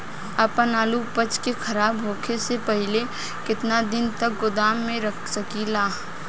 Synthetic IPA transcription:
əpənaːlupət͡ʃkekʰɐɾaːbɦoːkʰesepəɦɪle | kɪt̪nad̪ɪnt̪ək̚ɡʊd̪aːmːẽɾəkʰsəkilaː

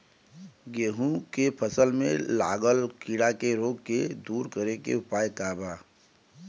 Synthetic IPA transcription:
ɡeːɦũkepʰəsəlmḛ̃la̰ːɡəlkiɽakeɾoːɡked̪uːɾkəɾekḛʊpaːjkaːbaː

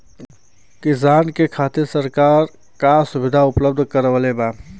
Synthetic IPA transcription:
kɪsaːnkekʰaːt̪ɪɾsəɾkaːɾ | kasʊbɪd̪ʱaʊpləb̚d̪ʱkəɾʋəlebaː

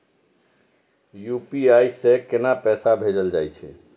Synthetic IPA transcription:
jupiajsẽkenapɛsabʱed͡ʒəld͡ʒajt͡ʃʰɛ̰

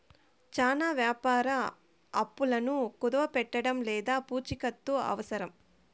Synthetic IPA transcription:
t͡ʃaːnaːʋjaːpaːɾɐ | ɐpːulɐnukud̪ɐʋɐpɛʈːɐɽɐmlɛːd̪aːpuːt͡ʃikɐt̪ːuɐ̰ʋɐsɐɾɐm

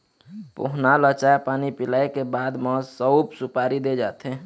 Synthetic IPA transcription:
pʊ̰ɦnalət͡ʃaepaːnipɪlaːekebaːd̪mə̃səwbsupaːɾid̪ed͡ʒaːt̪ɦe

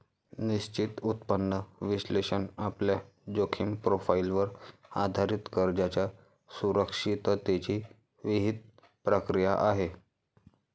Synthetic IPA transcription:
niɕt͡ɕit̪ut̪pənːəʋiɕleɕənaplja | d͡ʑokʰimpɾofailʋəɾa̰d̪ʱaɾit̪kəɾd͡ʑat͡ɕja | suɾəkʂit̪ət̪et͡ɕiː | ʋiɦid̪̚ | pɾəkɾijaʔaɦe

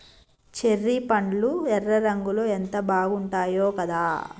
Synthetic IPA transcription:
t͡ʃerːipɐɳluɛrːɐɾɐŋɡuloːent̪ɐbaːɡuɳʈaːjoːkɐd̪aː

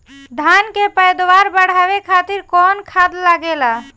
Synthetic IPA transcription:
d̪ʱankepəjd̪waɾbəɽ̤aːʋekʰaːt̪ɪɾkɔnkʰad̪laɡela

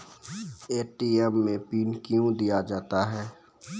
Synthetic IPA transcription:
eːʈiːɛmːẽpiːnkjũd̪ijad͡ʒaːt̪aɦɛː

